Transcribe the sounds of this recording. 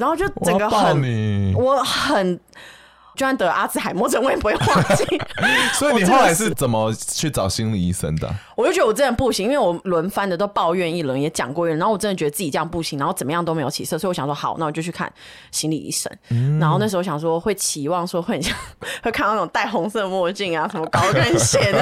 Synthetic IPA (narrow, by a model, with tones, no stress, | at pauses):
ɻnxo˥˧ʊt͡ɕo˥˩ʊt͡sə˨˩ɡə˦ə˨˩nni˨˩wɔ˧˥xə˨˩n | t͡ɕa˥nt̪ɤ˧˦ʔa˥t͡sɹ̩˨˥xa˨˩ɪmwɔ˥˧ʈ͡ʂə˥˧we˥ɪpxa˥t͡ɕi˥swɔ˧˥i˨ni˨˩o˥a˧˥ʂɻ̩˥˩t͡sə˨˩nmə˦t͡ɕʰy˥˩t͡sɑ˨˩ʊɕi˧˥ŋli˨˩i˧˥sə̰˥nd̪ə̰˨wɔ˨˩t͡ɕjo˥˩t͡ɕɥɛ˧˥˩jŋpu˥˩ɕi˧˥ŋi˥nwe˥˩wɔ˨˩lwə˧˥nfa˥nd̪ə˨˩t̪o˥ʊpɑ˥˧ʊɥɛ˥˧ni˥˩lwə˧˥njɛ˧˥t͡ɕjɑ̰˨˩ŋkwɔ˥˧˥wɔ˨˩˥ə˥nə˩t͡ɕɥɛ˧˥ə˧t͡s̩˥˩t͡ɕi˨˩ʈ͡ʂɤ˥jɑ˥˧ŋpu˥˩ɕi˧˥ŋna˧˥o˥˩t͡sə˨˩mə˦jɑ˥ŋt̪o˥me˧˥o˧ʊt͡ɕʰḭ˨˩sɤ˥˩sɔ˧˥˨wɕjɑ˨˩ʂwɔ˥xɑ˨˩˦ʊna˥˩wɔ˨˩t͡ɕo˥˧t͡ɕʰy˥˩kʰa̰˥˩n | ɕi˧˥ŋlḭ˨˩ḭ˧˥ʂə̰˥nna˧nxo˥˧ʊna˥˩ʂ̩˧˥˧jɑ˨˩ŋ˩ʂ̬wɔ˥xwe˥˩ɪt͡ɕʰi˧˥wɑ˥˩ŋʂwɔ˥xwe˥˩˨ɕjŋxwɪkʰa˥˧n˥˩ʊ˨˩ŋt̪a˥˩ɪxʊ˧˥ŋsɤ˥˧mwɔ˥˧t͡ɕi˥˩ŋa˨˩ʂə˧˥nmə˧kɑ˥ʊka˥˧nɕjɛ˧˥n